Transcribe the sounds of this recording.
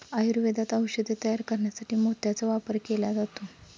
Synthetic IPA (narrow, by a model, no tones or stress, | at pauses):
ajuɾʋed̪at̪awɕəd̪ʱet̪əjaɾkəɾɳjasaʈʰiːmot̪jat͡səʋapəɾkelad͡zat̪o